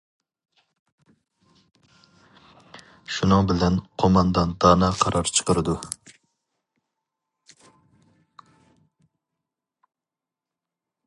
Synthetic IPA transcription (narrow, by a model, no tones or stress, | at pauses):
ʃunɨŋbɪlɛnqʰomɑnd̪ɑnt̪ɑːnɨqʰɑɾʔɑɾt͡ʃʰə̥qəɾɨd̪u